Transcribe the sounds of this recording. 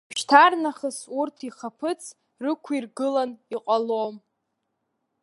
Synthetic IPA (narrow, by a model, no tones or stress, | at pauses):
pʃtʰarnaχəsurtʰiχapʰɨt͡sʰ | rɨkʷʰirɡɨlaniqʷʼalom